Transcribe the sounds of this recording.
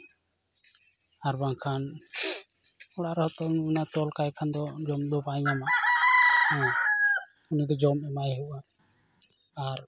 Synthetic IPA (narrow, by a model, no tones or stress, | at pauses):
aɾbaŋkʰan | ɔɽaɾɔhɔt̪ɔunat̪ɔlkajkʰand̪ɔd͡ʒɔmd̪ɔpaiɲamaʔ | ɛ | unid̪ɔd͡ʒɔmɛmajɦuʔaʔ | aɾ